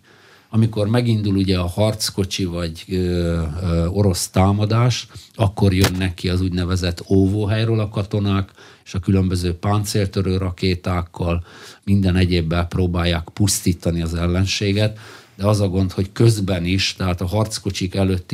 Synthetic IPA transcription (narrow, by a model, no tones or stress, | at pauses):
ɒmiko̞rmɛɡind̪uluɟɛɒhɒrt̪sko̞t͡ʃivɒɟ | o̞ɾo̞st̪aːmɒd̪aːʃɒkːo̞rjønːɛkiɒzuɟnɛvɛzɛt̪ːoːvoːɦɛjɾøːlɒkɒt̪o̞naːkeːʃɒkylø̞mbøzøːpaːnt̪seːlt̪øɾøːɾɒkeːt̪aːkʰːɒlmind̪ɛnɛɟeːbːɛlproːbaːjːaːkpust̪iːt̪ɒniɒzɛlːɛnʃeːɡɛt̪d̪ɛɒzɒɡo̞nt̪ho̞ckø̞zbɛniʃt̪ɛɦaːt̪ɒɦɒrt̪sko̞t͡ʃikɛløt̪ːi